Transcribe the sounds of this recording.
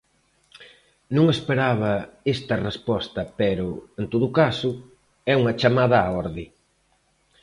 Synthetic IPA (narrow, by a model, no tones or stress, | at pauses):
nũŋespeɾaβɐest̪ɐrespɔst̪ɐpɛɾʊent̪oðʊkasʊ | ɛuŋɐt͡ʃamað̞ɐaɔɾðɪ